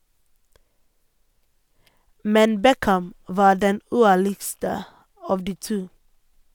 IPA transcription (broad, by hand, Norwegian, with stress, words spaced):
ˈmɛn ˈbɛkæm ˈʋɑː ˈɖɛn ˈʉːˌæɭɪɡstə ˈɑːʋ ˈdiː ˈtuː